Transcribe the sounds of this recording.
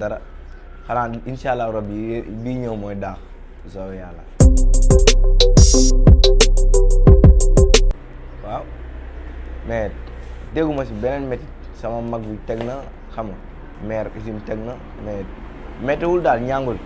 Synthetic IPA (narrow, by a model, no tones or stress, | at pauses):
daɾa | kanainʃalːaɾabbiɲawmojda | zowjala | fa | me | deɡumasibenenmeti | samamaɡwiteɡna | kama | meɾisimteɡna | me | metiwuldalɲaŋɡul